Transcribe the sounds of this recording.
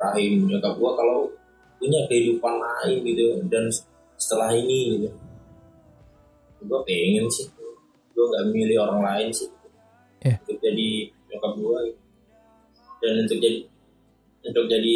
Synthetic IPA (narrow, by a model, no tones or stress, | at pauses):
raɦɪmd͡ʒakaɡuakalaw | puɲakəhidupanlaɪnɡit̪udan | sə̥t̪əlahiniɡit̪u | ɡuapeŋɪnsɪht̪ | ɡuaŋɡaʔmilɪhoɾaŋlaɪnsɪh | unt̪ʊk̚d͡ʒadit͡ʃokap̚ɡuaɡit̪u | danunt̪ʊk̚d͡ʒadi | unt̪ʊk̚d͡ʒadi